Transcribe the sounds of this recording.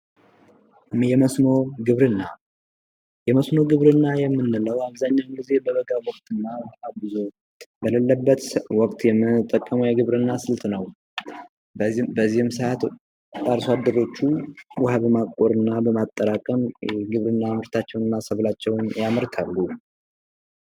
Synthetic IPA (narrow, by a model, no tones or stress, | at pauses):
jɛməsno̞ɡɨβɾɨnːa | jɛməsno̞ɡɨβɾɨnːajɛmːɨnːɨləwaβzaɲːawnɡize̞bəβəɡawɔkʼt̪ʰʼɨnːawʔabɨzo̞ | bələlːəbːət̪wɔkʼt̪jɛmːɨt̪ʼːəkʼːəməwjɛɡɨβɾɨnːasɨlt̪ʰnəw | bəzːihɨmsat̪ʼ | aɾsad̪ɨɾo̞t͡ʃːuwʊhabəmakʼoɾɨnːabəmat̪ʼːəɾakʼəmɡɨβɾɨnːamɨɾt̪ʰat͡ʃːɛwnɨnːasəβlat͡ʃːɛwnjamɨɾt̪ʰalːu